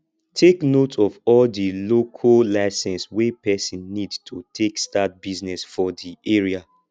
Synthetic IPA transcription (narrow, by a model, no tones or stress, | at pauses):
tʰeknotʰɔvɔldilokʰolaɪsɛ̃nswepɛsĩnːidtʰutʰekstat̚biznɛsfɔdiʔeɹia